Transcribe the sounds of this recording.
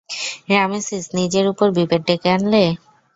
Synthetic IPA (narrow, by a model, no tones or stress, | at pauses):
ɾamesisnid͡ʑeɾupoɾbibeɖ̚ɖekeanle